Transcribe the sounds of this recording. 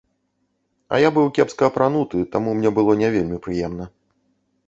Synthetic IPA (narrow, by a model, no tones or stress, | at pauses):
ɐ̰jabɨwkʲɛpskɐːpɾan̪ut̪ɨt̪amumnʲɛbɨlˠɔnʲɛvʲelʲmʲipɾɨjɛmnɐ